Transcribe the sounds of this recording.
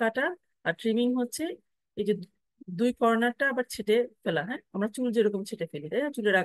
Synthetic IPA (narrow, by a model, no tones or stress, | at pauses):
kaʈa | aɾʈɾimiŋɦotːɕʰe | ejd͡ʑe | d̪ujkɔɾnaɾʈaabaɾt͡ɕʰeʈefelaɦɛ̃amɾat͡ɕuld͡ʑeɾɔkomt͡ɕʰeʈefelit̪ajnat͡ɕuleɾa